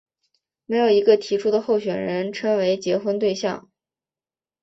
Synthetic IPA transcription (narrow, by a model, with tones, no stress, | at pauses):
me˧˥ɪjo˨˩i˧˥ɡə˧t̪ʰi˧˥ʈ͡ʂʰu˥d̪ə˨xo˥˩ʊɕɥɛ˨˩nɻə˧˥nʈ͡ʂʰɤ˥ŋwe˧˥ɪt͡ɕjɛ˧˥xwə˥nt̪we˥˧ɪɕjɑ̰˥˩ŋ